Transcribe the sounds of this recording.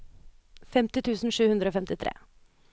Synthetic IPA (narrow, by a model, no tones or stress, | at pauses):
fɛmt̪ɪt̪ʰʉːsn̩ʂʉːhʉnd̪ɾəoːfɛmt̪ɪt̪ʰɾḛː